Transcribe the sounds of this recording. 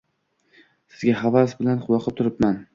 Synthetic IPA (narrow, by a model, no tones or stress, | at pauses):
sɪ̥zɡʲaɦavas̬bɪlanqʰʊlˠɒqʰɨp̚t̪ʰʊɾɪpman